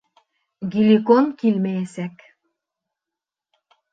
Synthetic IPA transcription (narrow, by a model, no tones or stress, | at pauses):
ɡilikonkilmæjesæk